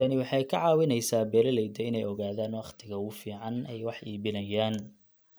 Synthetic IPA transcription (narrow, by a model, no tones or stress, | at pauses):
ɐnɪwɑħɑjkʰɐʕɑːwɪnɛjsaːbɛːlɐlɛjd̪ɛɪnɛjɔɣaːðaːnwɑχt̪ʰɪɣɐʊfiːʕɑnɛjwɑħiːβɪnɐjaːn